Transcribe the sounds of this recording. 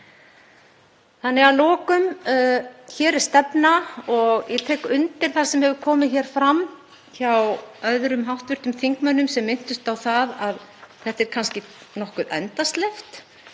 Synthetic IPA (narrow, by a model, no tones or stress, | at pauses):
θanːɪɣalɔːkʏmː | çɛːɾɛɾ̥st̪ɛpnaɔɣjɛt̪ʰɛːkʏnt̪ɪɾ̥θasɛmhɛvʏɾkʰɔːmɪðçɛːɾ̥fɾam | çawœðɾʏmɦawht̪vʏɾ̥t̪ʏmθiŋkmœnːʏmsɛmːɪn̥t̪ʏst̪awθaðaðθɛht̪ɛɾ̥kʰanscɪnɔhkʏðɛnt̪ast̪lɛft̪